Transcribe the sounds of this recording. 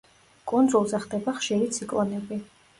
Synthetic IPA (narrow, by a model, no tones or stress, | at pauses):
kʼɔnd̪zulˠzɛχd̪ɛbaχʃiɾit̪sʰikʼlˠɔnɛbi